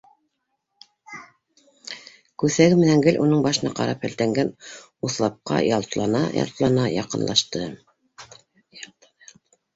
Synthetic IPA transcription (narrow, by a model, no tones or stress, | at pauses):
kʉθæɡɘmɘ̆næŋɡɘlʲʔunɤɴbɑʃɤ̆nɑqɑ̰ɾɑphæ̆lt̪æŋɡæn | uθlˠɑp̚qɑ̰jɑlˠt̪lˠɑnɑ̰jɑ̰lˠt̪lˠɑnɑjɑqɤ̆nlˠɑʃt̪ɤ